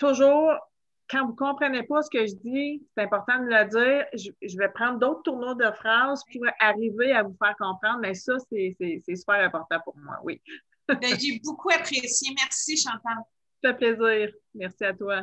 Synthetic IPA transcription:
t̪ʊʒuːʁ | kɑ̃vukɔ̃pχənepʌsə̥kəʒəd̪d͡zise̥t̪ɛ̃pɔʁt̪ɑ̃d̪əmələd͡zziːʁʒəʒəvɛpχɑ̃d̪ʁd̪oʊt̪χət̪uʁnod̪əfχɑːzpʰuʁaʁiveavufæːʁkɔ̃pχɑ̃d̪mɛsʌsɛsɛsɛsy̥pæːʁɛ̃pɔʁt̪ɑ̃puʁmwa̰wʔḭ | bɛʒebukʰuapχesjemɛʁsiʃɑ̃t̪ãl | t̪y̥fɛpleziːʁ | mɛʁsiat̪wa

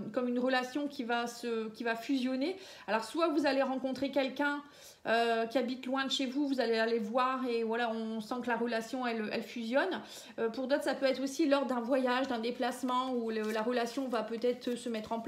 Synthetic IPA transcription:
kɔmynʁəlasjɔ̃kʲʰivasəkʲivafyzjɔne | alɔʁswavuzaleʁɑ̃kɔ̃t̪χekʲɛlkʲɛ̃ | økʲiabit̪lwɛ̃d̪əʃevuvuzalealevwaʁevwalaɔ̃sɑ̃kəlaʁəlasjɔ̃ɛløʔɛ̰lfyzjɔn | øpuʁd̪ɔt̪χsapøɛt̪χosilɔʁd̪ɛ̃vwajaʒd̪ɛ̃d̪eplasmɑ̃ulølaʁəlasjɔ̃vapøt̪ɛt̪χəsəmɛt̪χɑ̃p

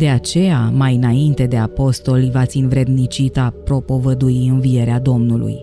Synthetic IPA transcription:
d̪e̞at͡ʃe̞jamajɨnaint̪e̞d̪e̞apo̞st̪o̞livat̪sinvɾe̞d̪nit͡ʃit̪apɾo̞po̞vəd̪uiɨnvie̞ɾead̪o̞mnulṵj

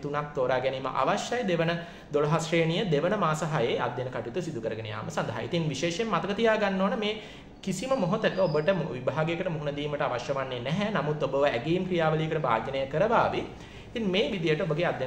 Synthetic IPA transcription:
t̪unak̚t̪oːɾaːɡɛniːmə̰ʔa̰ʋaʃjajd̪eʋənə | d̪oloɦasʂeːnijəd̪eʋənəmaːsɐɦajea̰d̪jenəkaʈit̪usid̪ukəɾəɡənḛja̰ːməsand̪aɦa̰ḭt̪iŋʋiʃeːʃemːat̪əkət̪ijaːɡanːoːnəmeː | kisiməmoɦot̪əkəobəʈəmʋibʱaːɡejkəʈəmuɦunəd̪iːməʈəaʋaʃjɐʋanːenɛɦɛnamut̪ːobəʋəæɡeimkɾijaːʋəlijəkəʈəbʱa̰ːɡjənəjəkəɾəʋaːʋe | it̪iŋmeːʋid̪ijəʈəobəɡeːad̪je

